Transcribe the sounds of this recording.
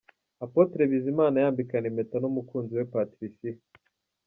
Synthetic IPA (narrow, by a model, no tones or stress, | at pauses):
apotɾe̞βizimaːnajaːmbikaneme̞tanumukuːnziwe̞patɾisi